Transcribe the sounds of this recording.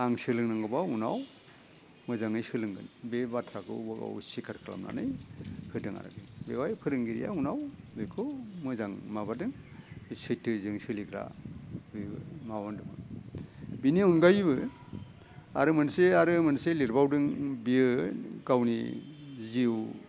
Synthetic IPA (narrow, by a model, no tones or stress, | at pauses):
aŋsɯlɯŋnaŋɡɯbaunaw | mɯzaŋɯjsɯlɯŋɡɯ̰nbebatʰɾakʰɯ̰wɡa̰wṵsikʰaɾkʰɯla̰mna̰nɯjpʰɯdɯŋa̰ɾa̰ɡɯŋbewajpʰɯɾɯŋɡiɾḭja̰unaw | bekʰɯmɯzaŋmabadɯŋsɯjtʰɯzɯŋsɯliɡʰɾa̰bɯmawandɯmɯ̰ | biniɔnɡajβɯ | a̰ɾɯmɯnseaɾɯmɯnseliɾbawdɯŋbiɯɡawniziw